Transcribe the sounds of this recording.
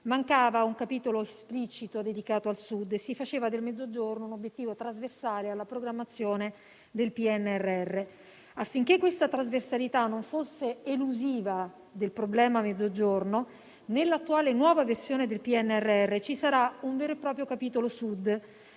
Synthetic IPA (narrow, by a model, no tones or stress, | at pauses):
maŋkaːvauŋkapiːt̪oloesplit͡ʃit̪od̪ed̪ikaːt̪oalsud̪ːesːifat͡ʃeːvad̪elmed̪zːod͡ʒornounobjet̪ːiːvot̪ɾazversaːlealːapɾoɡɾamːat̪sːjoːne | d̪elpiɛnːeɛrːeɛrːe | afːiŋk̟ekːwest̪at̪ɾazversalit̪anːoɱfosːeeluziːva | d̪elpɾoblɛːmamed̪ːod͡ʒorno | nelːat̪ːuaːlenwɔːvaversjoːned̪elpiɛnːeɛrːeɛrːet͡ʃisaɾauɱveːɾoepːɾɔːpɾjokapiːt̪olosud̪ː